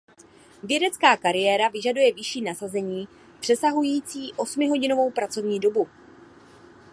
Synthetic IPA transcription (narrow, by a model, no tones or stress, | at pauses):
vjɛdɛt͡skaːkaɾɪjɛːɾavɪʒadujɛvɪʃiːnasazɛɲiː | pr̝̥ɛsaɦujiːt͡siːʔo̞smɪɦo̞ɟɪno̞vo̞wpɾat͡so̞vɲiːdo̞bu